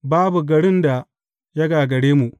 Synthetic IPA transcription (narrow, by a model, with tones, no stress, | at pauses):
baː˦bu˨ɡɐ˨ɽɪ˦nda˨ | jɐ˦ɡaː˨ɡɐ˨ɽeː˦mu˨ʔ